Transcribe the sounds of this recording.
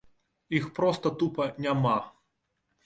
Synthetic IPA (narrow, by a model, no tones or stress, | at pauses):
ixpɾɔst̪ɐt̪upɐnʲama